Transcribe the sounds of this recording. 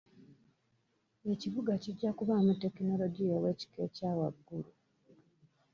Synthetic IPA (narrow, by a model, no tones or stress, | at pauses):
e̞ciβuɡaciɟːakuβamute̞kino̞lo̞ɟiowe̞ːci̥ke̞caːwaɡːulu